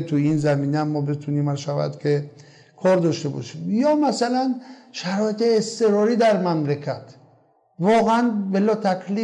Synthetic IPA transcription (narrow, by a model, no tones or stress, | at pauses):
t̪ʰuinzæmiːnæmːɔːbet̪ʰuniːmæʃævæ̰d̪kʰe | kʰɒɾd̪ɒʃt̪ebɔ̰ʃimjɒːmæsælænʃæɾɔːet̪eːst̪eɾɒːɾiːd̪æɾmæmɾekʰæt̪ | vɒːɣeænbelɒːt̪ʰækʰli